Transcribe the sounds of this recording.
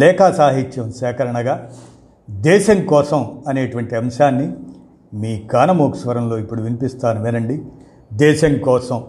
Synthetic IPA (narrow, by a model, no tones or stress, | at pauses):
lɛːkaːsaːɦit͡ʃːɐmsɛːkɐɾɐɳɐɡaː | d̪ɛːʃɐŋkɔːsɐmɐneːʈuʋɐɳʈiɐmɐʃaːnːi | miːkaːnɐmoːksʋɐɾɐmlo̞ːipːuɽuʋinipist̪aːnumeːnɐɳɖi | d̪ɛːʃɐŋkɔːsɐm